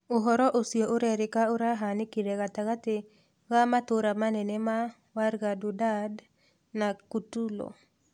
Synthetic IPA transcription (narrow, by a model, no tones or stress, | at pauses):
oɦɔɾɔʔosjoʔoɾɛɾɪkaoɾaɦanɪkiɾeɡat̪aɣatɪ | ɣamat̪ʊɾamanɛnɛma | waɾɡadʊdad | nakutulo̰